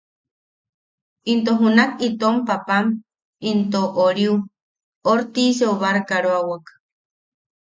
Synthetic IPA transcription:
int̪̬oɦunakit̪ompapam | int̪oʔoɾiu | oɾt̪iseuβaɾkaɾoawak

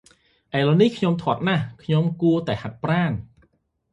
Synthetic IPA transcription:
ʔaɛlɔnihkʰɲomt̪ʰŏət̪̚nahkʰɲomkuət̪aɛhat̪̚praːn

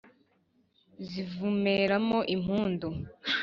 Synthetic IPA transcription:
zivumeɾamoʔim̥uːndo

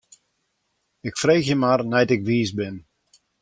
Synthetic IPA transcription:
ɪkfreːxjəmarnɛjtɪkʋiːsbɪn

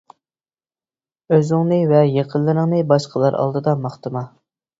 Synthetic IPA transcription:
øzɪŋnɨvɛjeqʰəllːˠɨɾəŋnɨbɑʃqʰəlˠɑɾʔɑ̰lˠd̪ɨd̪ɑmɑχt̪ɨmɑ

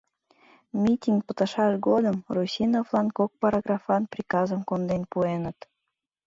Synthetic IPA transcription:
mʲitʲiŋk̚pə̥̆t̪ə̆ʃɑʃɡod̪əmrusʲinovlˠɑnkok̚pɑɾɑɡrɑfɑnprʲikɑzəmkond̪enpuenət̪

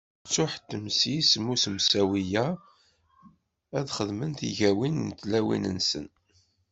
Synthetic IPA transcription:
t͡sːʊħt̪ːəmsismːusəmsæwijæ | æðχəðmənθiʝæwinnt̪ːlæwḭnənsə̰n

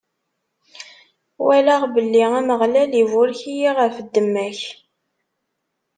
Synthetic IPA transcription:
wælaʁbəlːiæməʁlælivʊlçijiʁəfəd̪ːəmːæç

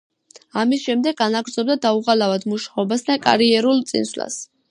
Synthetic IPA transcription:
amisʃɛmd̪ɛɡːanaɡɾd̪zɔb̚d̪ad̪auʁalavad̪muʃaɔbasd̪akʼa̰ɾiɛɾulˠt̪sʼḭnsla̰s

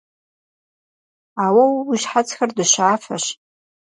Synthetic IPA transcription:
awawwiʃħat͡sʰʼxardɨʃaːfa̰ʃ

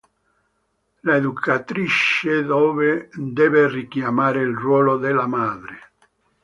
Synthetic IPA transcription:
laeðukʰat̪ɾit͡ʃːed̪ɔːved̪ɛːverikjamaːɾeilrwɔːlod̪elamaːd̪ɾe

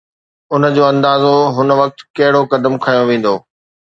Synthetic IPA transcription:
ʊnə̆d͡ʑoːɐ̃nd̪aːzoɦʊnə̆ʋɐk̚t̪kɐɦɪɽokɐd̪əmkʰajõʋẽːn̆d̪oː

